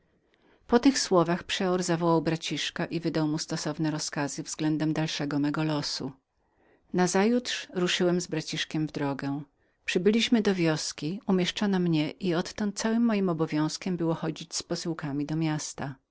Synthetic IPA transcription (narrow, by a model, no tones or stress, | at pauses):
pɔt̪ɘxswɔvaxpʂɛɔɾzavɔwawbɾat͡ɕiʂkaʔivɘd̪awmust̪ɔsɔvnɛɾɔskazɘvzɡlɛnd̪ɛmd̪alʂɛɡɔmɛɡɔlɔsṵ | nazajutʂɾuʂɘwɛmzbɾat͡ɕiʂkʲɛmvd̪ɾɔɡɛ | pʂɘbɘlʲiɕmɘd̪ɔvʲjɔskʲiumʲjɛʂt͡ʂɔnamɲɛʔiɔt̪ːɔnt̪̚sawɘmːɔjimɔbɔvʲjɔ̃w̃skʲɛmbɘwɔxɔd͡ʑit͡ɕspɔsɘwkamʲid̪ɔmʲjast̪a